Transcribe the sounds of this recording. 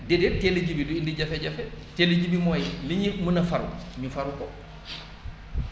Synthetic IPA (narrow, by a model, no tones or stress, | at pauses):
dɛdɛteled͡ʒibiduindiɟɐfɛɟɐfɛteleɟibimɔːjɛliɲimunɐfaɾṵɲufaɾukɔ